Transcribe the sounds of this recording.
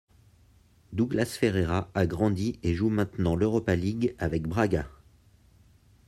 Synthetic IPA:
d̪uɡlasfeʁeʁaaɡʁɑ̃d̪ieʒumɛ̃t̪nɑ̃løʁɔpaliɡavɛkbʁaɡa

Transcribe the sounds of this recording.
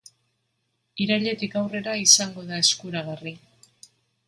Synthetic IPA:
iɾaʎe̞t̪ikawre̞ɾaisaŋɡo̞ðae̞skuɾaɣ̞ari

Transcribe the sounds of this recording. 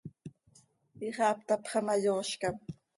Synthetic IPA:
iχap̚t̪apχɑmajoʃkam

